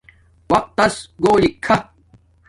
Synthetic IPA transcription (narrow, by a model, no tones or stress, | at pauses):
wɐq̚t̪ːɐsɡoːlikʰːɐ